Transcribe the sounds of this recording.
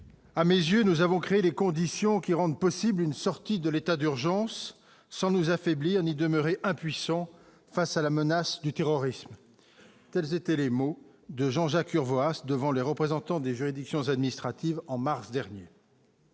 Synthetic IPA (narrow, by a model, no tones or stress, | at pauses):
amezjønuzavɔ̃kχeelekɔ̃d̪isjɔ̃kʲiʁɑ̃d̪pɔsiblynsɔʁt̪id̪əlet̪ad̪yʁʒɑ̃sː | ɑ̃nuzafɛbliʁnid̪əmœʁeʔɛ̃pɥisɑ̃ | fasalamənasd̪yt̪eʁɔʁism | t̪ɛlzet̪ɛlemo | d̪əʒɑ̃ʒakyʁvoasd̪əvɑ̃leʁəpχezɑ̃t̪ɑ̃d̪eʒyʁid̪iksjɔ̃zad̪minist̪χat̪ivɑ̃maʁsd̪ɛʁnjḛ